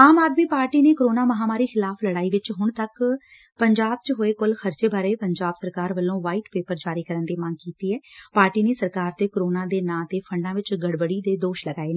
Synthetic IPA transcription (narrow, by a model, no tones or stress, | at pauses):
aːmaːd̪miːpaːɾʈiːneːkɾoːnaːməɦaːmaːɾiːxɪlaːpʰləɽaːiːʋɪt͡ʃɦʊɳt̪ək | pəɲd͡ʒaːb̚t͡ʃɦoːeːkʊlxʰəɾt͡ʃeːbaːɾeːpəɲd͡ʒaːbsəɾkaːɾʋəlːõːʋaːiːʈpeːpəɾd͡ʒaːɾiːkəɾənd̪iːmaŋɡ̚kiːt̪iːɛːpaːɾʈiːneːsəɾkaːɾt̪eːkɾoːnãːd̪eːnãːt̪eːpʰəɳɖãːʋɪt͡ʃɡəɽbəɽiːd̪eːd̪oːʃləɡaːeːneː